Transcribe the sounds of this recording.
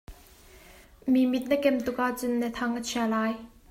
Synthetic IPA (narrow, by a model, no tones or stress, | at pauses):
mimit̪̚nəkɛmt̪ʊk̚ʔaʔt͡sʊnːət̪ʰɐŋʔət͡sʰiɐlaːj